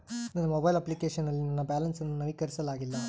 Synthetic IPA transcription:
nɐnːɐmobɐjlɐplikeːʂɐnːɐlːinɐnːɐbaːlɐnsɐnːunɐʋikɐɾisɐlaːɡilːɐ

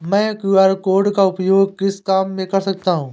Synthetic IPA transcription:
mɛ̃ːkuːaːɾkoːɾɖkaʊpjoːɡkɪskaːmːẽkɐɾsɐɡʱt̪aːɦũː

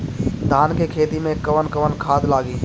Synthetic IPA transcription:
d̪ʱaːnkekʰeːt̪imẽkəʋənkəʋənkʰaːd̪laːɡi

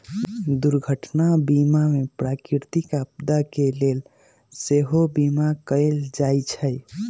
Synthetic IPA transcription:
d̪uɾɡʱəʈnabimamepɾakiɾt̪ikab̚d̪akelel | seɦobimakəeld͡ʒajt͡ʃʰəj

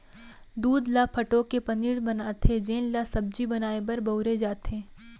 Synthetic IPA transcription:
d̪uːd̪lapʰɐʈõkepɐniɽbɐnaːt̪ed͡ʒeːnlasɐb̚d͡ʒibɐnaːebɐɾbɐʊɾed͡ʒaːt̪ẽː

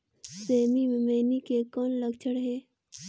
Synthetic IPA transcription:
seːmimẽmeːnikekɔːnləɡt͡ʃʰəɽɦɛː

